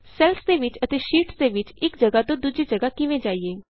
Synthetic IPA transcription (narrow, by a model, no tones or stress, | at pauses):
sɛːlsd̪eːʋɪt͡ʃət̪eːʃiːʈsd̪eːʋɪt͡ʃɪkd͡ʒəɡaːt̪õːd̪uːd͡ʒeːd͡ʒəɡaːkɪʋẽːd͡ʒaːiːeː